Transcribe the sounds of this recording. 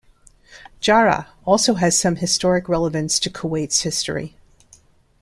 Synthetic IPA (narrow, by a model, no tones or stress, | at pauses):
d̥ʒ̥ɑɹə̰ | ɔlˠsoʊɨz̥sʌ̃mɨstɔɹɨkɹɛlˠəvɨ̃nstʰɨkʰoweɪtshɪstɹḭ